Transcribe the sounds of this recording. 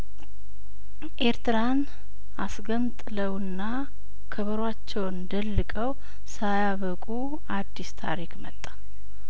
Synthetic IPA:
ʔeɾt̪ɨɾan | asɡəmt̪ʼɨləwɨnːa | kʰəβəɾwat͡ʃːɛwnnd̪əlːɨkʼəw | sajaβəkʼu | ad̪ːist̪ʰa̰ɾikmət̪ʼːḁ

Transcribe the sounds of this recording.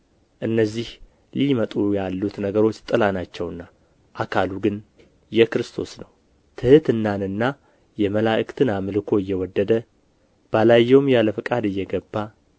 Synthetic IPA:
ʔɨnːəzːih | limət̪ʼujalːut̪nəɡəɾo̞t͡ʃːt̪ʼɨlanat͡ʃːɛwnːa | ʔakʰaluɡɨn | jɛkɾɨst̪ʰo̞snəw | t̪ʰɨhɨt̪ɨnːanɨnːa | jɛməlaʔɨkt̪ʰɨnamɨlɨkʰo̞ɪjːɛwɔd̪ːəd̪ə | b̥alajːɛwmjaləfɨkʼad̪ɨjːɛɡəbːa

